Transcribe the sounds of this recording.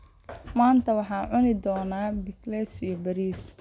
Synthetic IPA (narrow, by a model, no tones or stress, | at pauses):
maːnt̪ʰɐwɑħɑːʕʊnɪd̪ɔːnaːbɪklɛsijɔbɐɾiːs